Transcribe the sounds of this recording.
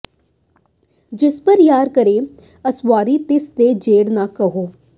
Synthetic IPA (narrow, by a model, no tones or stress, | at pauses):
d͡ʒɪspəɾjaːɾkəɾeː | əsʋaːɾiːt̪ɪsd̪eːd͡ʒeːɽnaːkəɦoː